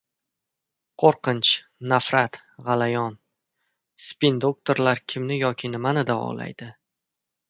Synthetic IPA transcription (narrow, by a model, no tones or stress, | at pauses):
qʰoɾqɨnt͡ʃ | nafɾat̪ | ʁɑlajɒn | spind̪o̞k̚t̪ʰoɾlaɾkʲʰɪmnɪjɒkʲʰɪnɪmanɪd̪avɒ̰la̰jd̪̥ɪ